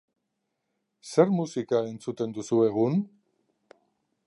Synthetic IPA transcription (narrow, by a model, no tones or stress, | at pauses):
se̞ɾmusikae̞nt͡sut̪e̞nd̪usue̞ɣ̞un